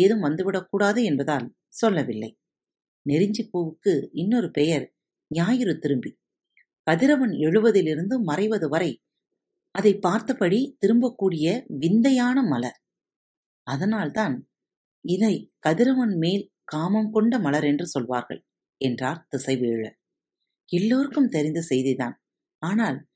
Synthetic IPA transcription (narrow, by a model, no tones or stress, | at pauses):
eːðɯmʋɐnd̪ɯʋɪɽɐkːuːɽaːðɯɛnbɐðaːl | sɔlːɐʋɪlːɐɪ | nɛɾɪɲd͡ʒɪpːuːʋɯkːɯɪnːɔɾɯpɛjɐɾ | ɲɪjaːjɪɾɯt̪ɪɾɯmbi | kɐðɪɾɐʋɐnɛɻɯʋɐðɪlɪɾɯnd̪ɯmɐrɐɪʋɐðɯʋɐɾɐɪ | ɐðɐɪpːaːɾt̪ɐpːɐɽit̪ɪɾɯmbɐkːuːɽɪjɐʋɪnd̪ɐjaːnɐmɐlɐɾ | ɐðɐnaːlt̪aːn | ɪðɐɪkɐðɪɾɐʋɐnmeːl | kaːmɐmkɔɳɖɐmɐlɐɾɛndrɯsɔlʋa̰ːɾɣɐ̰ɭ | ɛndraːɾt̪ɪsɐɪʋeːɭɐ̰ | ɛlːoːɾɯkːɯmt̪ɛɾɪnd̪ɐsɛjðiða̰ːn | aːnaːl